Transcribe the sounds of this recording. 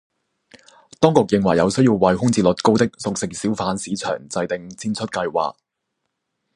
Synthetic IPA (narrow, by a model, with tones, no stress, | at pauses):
t̪ɔː˥ŋkʊ˨k̚jɪ˨ŋwɐ˨˩jɐ˨˧wsɵ˥ɥjiː˧wwɐ˨˩jhʊ˥ŋt͡siː˨˩lɵ˨t̚ko˥wt̪ɪ˥k̚sʊ˨k̚sɪ˨k̚siː˨˥wfaː˨˥nsiː˨˥t͡ʃʰœ̰ː˨˩ŋt͡sɐ˧jt̪ɪ˨ŋt͡sʰiː˥nt͡sʰɵ˥t̚kɐ˧jwa̰ː˨k̚